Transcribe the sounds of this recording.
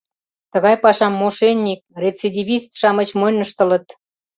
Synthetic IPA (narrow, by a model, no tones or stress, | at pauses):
t̪ə̆ɣɑjpɑʃɑmːoʃenʲːik̚ret͡sed̪ʲivʲist̪ʃɑmət͡ɕmonəʃt̪ə̆lə̆t̪